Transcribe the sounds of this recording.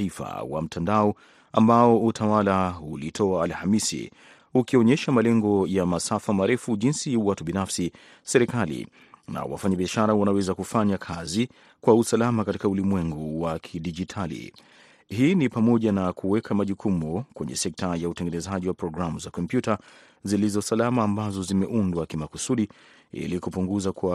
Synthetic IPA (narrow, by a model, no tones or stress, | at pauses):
ifa̰wa̰m̩tʰandaɔ | ambaɔutʰawalaulitʰɔaːlhamisḭ | ukiɔɲɛʃamalɛŋɡɔjamasafamaɾɛfuʄinsiwatuɓinafsi | sɛɾikalḭ | na̰wa̰faɲaɓiaʃaɾawanawɛzakufaɲakʰazi | kwausalamakatikaulimwɛŋɡuwakʰiɗiʄitʰalḭ | ɦiːnipamɔʄanakuwɛkʰamaʄukumukwɛɲɛ̰sɛk̚tajautɛŋɡɛnɛzaʄiwapɾɔɡɾamuzakɔmpjuta | zilizɔsalamaːmbazɔzimɛʔundwakimakusuɗi | ḭlikupuŋɡuzakwa